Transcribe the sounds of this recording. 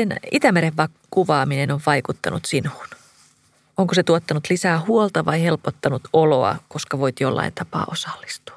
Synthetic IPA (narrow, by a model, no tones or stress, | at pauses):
enit̪æmeɾeʋːɑ | kuʋɑːminenoʋʋɑjkut̪ːɑnṵt̪sinuːn | oŋkoset̪uot̪ːɑnut̪lisæːhuolt̪ɑʋɑjhelpot̪ːɑnut̪oloɑ̰ko̞skɑʋoit̪jolːɑ̰int̪ʰɑpɑ̰ːʔosɑ̥lːi̥st̪u̥ɑ̥